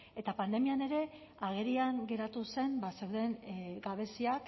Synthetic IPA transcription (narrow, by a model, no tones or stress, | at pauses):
e̞t̪apand̪e̞miane̞ɾe̞ | aɣ̞e̞ɾiaŋɡe̞ɾat̪use̞mbase̞wðe̞ŋɡaβ̞e̞siak